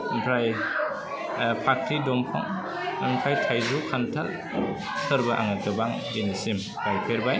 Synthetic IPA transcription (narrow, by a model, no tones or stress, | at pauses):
mpʰɾaj | pʰak̚tʰidɔmpʰɔ̰ŋ | mpʰɾajtʰajzukʰantʰal | sɯɾbaʔa̰ŋakɯbaŋ | ɡinisim | b̥ajkʰeɾbaj